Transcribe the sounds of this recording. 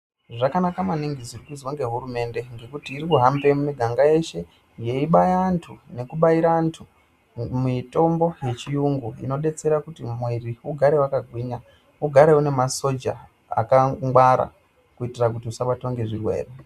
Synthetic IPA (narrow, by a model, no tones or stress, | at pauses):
ʐakanakamaniŋɡid͡zirikuzwoŋɡe̞ɦuɾume̞nde̞ŋɡe̞kutiːɾikuɦambemumiɡʱaŋɡae̞ʃe̞ | je̞iɓajaːntʰune̞kuɓaiɾaːntʰu | mito̞mbo̞je̞t͡ʃijuŋɡuḭno̞ɗe̞t͡se̞ɾakutimweriuɡʱaɾe̞wakaɡʱwiːɲa | uɡʱaɾe̞une̞maso̞d͡ʒa̰ | a̰kaŋɡwaɾa̰ | kuitirakutiusaɓato̞ŋɡe̞ʐirwe̞̰ːre